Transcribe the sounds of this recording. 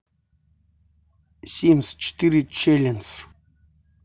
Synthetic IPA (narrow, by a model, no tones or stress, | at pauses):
sʲimst͡ʃt̪iɾit͡ʃelʲɛns